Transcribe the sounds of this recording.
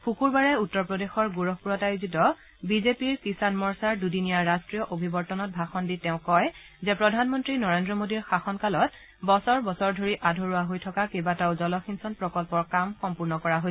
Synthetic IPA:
pʰukuɹbaɹɛutːɔɹpɹɔdexɔɹɡuɹɔbpuɹɔtajuzitɔ | bizepiɹkisanmɔɹsaɹdudinijaɹːastɹijɔʔobʱibɔɹtɔnɔt̚bʱaxɔnditɛʊ̃kɔj | zɛpɹɔdʱanmɔntɹinɔɹendɹɔmodiɹxaxɔnkalɔt̚ | bɔsɔɹbɔsɔɹdʱoɹiʔadʱoɹuwaɦojtʰɔkakebataʊzɔlɔxinsɔnpɹɔkɔlpɔɹkamxɔmpuɹnɔkɔɹaɦojs

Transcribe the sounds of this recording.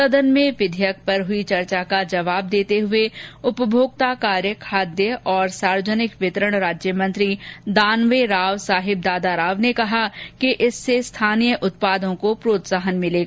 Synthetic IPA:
sɐd̪ənmẽʋɪd̪ʱjək̚ʰpɐɾɦʊit͡ʃɐɾt͡ʃakad͡ʒɐʋaːb̚d̪eːt̪eɦʊeʊpəbʱjoːɡ̚t̪akaːɾjəkʰaːd̪jəʔɔːɾsaːɾʋəd͡ʒənɪkʋɪt̪əɾəɽ̃ɾaːd͡ʒjəmɐ̃nt̪ɾid̪aːnʋeɾaːʋsaːɦɪb̚d̪aːd̪aɾaːʋnekɐɦakiʔɪsːest̪ʰaːnijəʔʊt̪̚paːd̪õkopɾoːt̪saɦənmɪleːɡa

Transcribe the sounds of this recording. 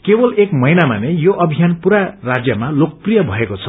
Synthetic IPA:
kebʌlekmʌjnamanejoʔʌbʱijanpuɾarad͡zjʌmalok̚prijʌbʱʌekot͡sʰʌ̥

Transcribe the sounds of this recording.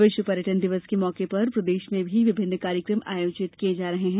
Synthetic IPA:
ʋɪʃwəpɐɾjəʈənd̪ɪʋəskemɔːkepɐɾpɾɐd̪eːʃmẽbʱiʋɪbʱɪnːkaːɾjəkɾəmʔa̰ːjoːt͡ʃɪt̪kied͡ʒaːɾɐɦeɦɛ̃ː

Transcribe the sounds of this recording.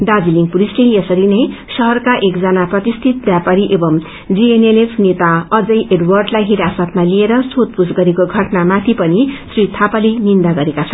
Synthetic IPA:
d̪ad͡ziliŋɡpuɾisʈʌjʌsʌɾinʌjsʌɦʌrkaʔekd͡zʌnaprʌt̪ist̪ʰit̪̚bjapaɾiʔebʌm | d͡zienelepʰnet̪aʌd͡zʌjʔeɖwʌrɖlajɦiɾasʌt̪̚malieɾʌsot̪̚pusɡʌɾekoɡʱʌʈnamat̪ʰipʌnisrit̪ʰapalenind̪aɡʌɾekat͡sʰʌn

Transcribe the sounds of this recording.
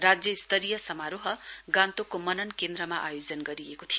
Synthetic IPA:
rad͡zjʌist̪ʰʌɾijʌsʌmaɾoɦʌɡãnt̪okomʌnʌnkend̪ɾʌmaʔa̰jod͡zʌnɡʌɾijekot̪ʰijo

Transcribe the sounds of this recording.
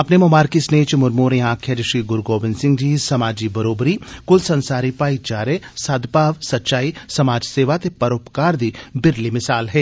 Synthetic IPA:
ɐpnemomaːɾkisneːt͡ʃmʊɾmoːɾẽaːkʰjeɾɪʃiɡʊɾɡoːʋɪnsɪ̃ŋɡd͡ʒiːsɐmaːd͡ʒibɐɾoːbɾikʊlsɐ̃nsaːɾipaːit͡ʃaːɾesaːd̪ʱpaːʋsɐtːʃaːisɐmaːd͡ʒseːʋat̪epɐɾoːpkaːɾd̪iːbɪɾlimɪsaːlɦɛː

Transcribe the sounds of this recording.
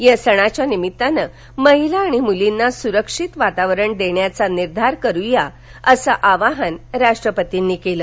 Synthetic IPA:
jəsəɽ̃at͡ɕjanimit̪ːanə | məɦilaːɽ̃imulinːasuɾəkʂit̪ʋat̪aʋɾəɳd̪eɳjat͡saniɾd̪ʱaɾkəɾuja | əsəʔaʋaɦənɾaʂʈɾəpət̪inːiːkeləː

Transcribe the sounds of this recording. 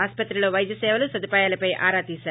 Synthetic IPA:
aːspɐt̪ːɾiloʋɐjd̪jɐsɛːʋɐlusɐd̪ipaːjaːlɐpɐjʔa̰ːɾaːt̪iːsaːɾ

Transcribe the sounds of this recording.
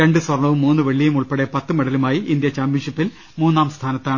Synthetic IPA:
ɾeɳɖɨsʋɐrɳɐʋumːuːnːɨʋeɭːijumuɭpeɽe̞pɐt̪ːɨmɐɽɐlumaːjiʔind̪jɐt͡ɕaːmbinʂipːil | muːnːaːmst̪ʰaːnɐt̪ːaːɳɨ

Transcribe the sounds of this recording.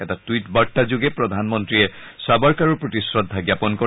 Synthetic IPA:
ɛtatuwitbaɹtazʊɡɛpɹɔd̪ʱanmɔntɹiɛ | sabɔɹkaɹɔpɹɔtisɹɔdʱːaɡjapɔnkɔ

